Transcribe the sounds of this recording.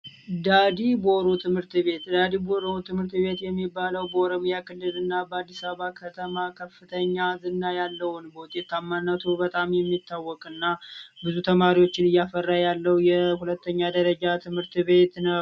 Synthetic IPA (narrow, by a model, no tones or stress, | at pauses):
d̪ad̪ibo̞ɾot̪ʰɨmhɨɾt̪βe̞t̪d̪ad̪ibo̞ɾot̪ʰɨmhɨɾt̪βe̞t̪jɛmːibːaləwbəoɾomijakʰɨlːɨlɨnːabəad̪ːisaβəβakʰət̪ʰəmakʰəfːɨt̪ʰəɲːazɨnːajalːəwʊnbəwʊt̪ʼːet̪ːamːanːət̪ʰubət̪ʼamjɛmːit̪ʰːawːɔkʼɨnːabɨzut̪ʰəmaɾiwo̞t͡ʃːɪnɨjːafərːajalːəwjɛhulət̪ʰːəɲːad̪əɾəd͡ʒat̪ʰɨmhɨɾt̪βe̞t̪nəw